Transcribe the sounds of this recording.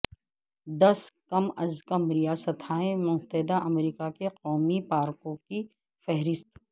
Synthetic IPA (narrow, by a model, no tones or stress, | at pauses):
d̪ɐskɐmɐzkɐmɾijaːsət̪ʰaːẽmʊ̃mt̪əɦɪd̪aʔɐmɾiːkakeqɔːmipaːɾkõki | fɛɦɾɪst̪